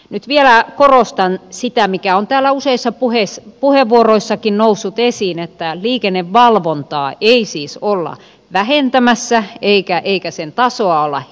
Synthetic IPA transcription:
nyt̪ʋielækorost̪ɑnsit̪æmikæont̪æːlːæuseisːɑpuhespuheʋːuoroisːɑkinnousːut̪esiːnet̪ːæliːkenːeʋʋɑlʋont̪ɑ̰ːʔeisiːsolːɑ̰ | ʋæhent̪æmæsːæeikæʔeikæsent̪ɑsoɑolːɑ̰

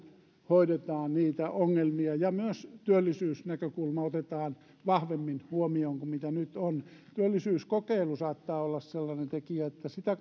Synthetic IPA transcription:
hoiɾet̪ɑːnniːt̪æʔoŋːelmiɑjɑmyøst̪yølːisyːsnækøkulmɑot̪et̪ɑːn | ʋɑhʋemːinhuomioŋkumit̪ænyt̪ont̪yølːisyːskokeilusɑːt̪ːɑːolːɑsselːɑnent̪ekiæet̪ːæsit̪æ

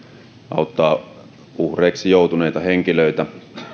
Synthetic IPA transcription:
ɑ̰ˑut̪ːɑː | uhreˑːksijoˑut̪uneˑit̪ɑheŋkiløˑit̪æ

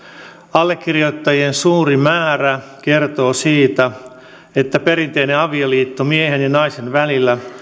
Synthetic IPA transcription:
ɑlːekːirjot̪ːɑjiensuːrimæːræke̞rt̪o̞ːsiːt̪æ | et̪ːæpe̞ɾint̪eineɑʋioliːt̪ːomiehenjɑnɑise̞nʋælilːæ

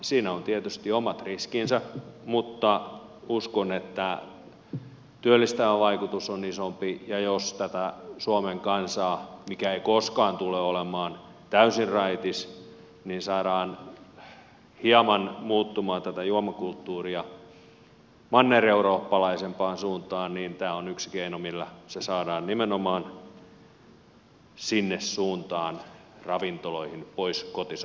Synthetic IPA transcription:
siːnæont̪iet̪yst̪iomɑt̪riskinsɑmut̪ːɑuskonet̪ːæ | t̪yølːist̪æʋæʋɑikut̪usonisompijɑjost̪æt̪æsuomeŋkɑnsɑːmikæeikoskɑːnt̪uleolemɑːn | t̪æysirrɑit̪is | ninsɑːɾɑːn | hiɑmɑnmuːt̪ːumɑːnt̪æt̪æjuɑmɑkult̪ːuːriɑ | mɑnːereuɾoːpːɑlɑisempɑːnsuːnt̪ɑːnniːnt̪æːonyksi̥keinomilːæsesɑːdɑːnnimenomɑːn | sinːessuːnt̪ɑːn | rɑʋint̪oloihinpoiskot̪is

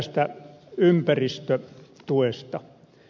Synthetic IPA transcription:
st̪æympærist̪øt̪uest̪ɑ

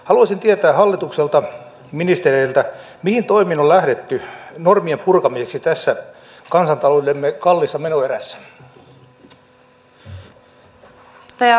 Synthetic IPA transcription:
hɑluɑsint̪iet̪æːhɑlːit̪ukselt̪ɑ | minist̪ereilt̪æ | mihint̪o̞iminolæhɾet̪ːynormiempurkɑmieksit̪æsːæ | kɑnsɑnt̪ɑlolemːekɑlːisːɑmenoeɾæsːæ̥ | t̪

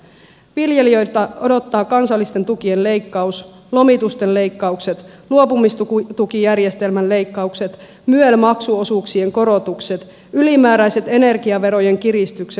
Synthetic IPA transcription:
ʋilje̞liø̞jt̪æʔo̞do̞t̪ːɑːkɑnsɑlːist̪e̞nt̪ukie̞nle̞jkːɑus | lo̞mit̪ust̪enle̞jkːɑukse̞t̪luo̞pumist̪ut̪ukijærje̞st̪e̞lmænle̞jkːɑukse̞t̪ | myelmɑksuo̞suːksie̞ŋko̞ɾo̞t̪ukse̞t̪ | ylimæːɾæjse̞t̪e̞ne̞rɡiɑʋe̞ɾo̞je̞ŋk̟iɾist̪ykse

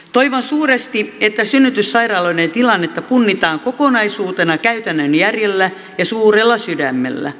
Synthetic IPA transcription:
t̪oiʋonsuːrest̪iet̪ːæsynːyt̪ysːɑirɑːloinent̪ilɑnːet̪ːɑpunːit̪ɑːŋkokonɑisuːt̪enɑkæyt̪ænːønjærjelːæ | jɑsuːrelːɑsydæmːḛlːæ̰

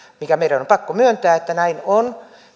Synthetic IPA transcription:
mikæmeiɾænompɑkːomyønt̪æːet̪ːænæinon

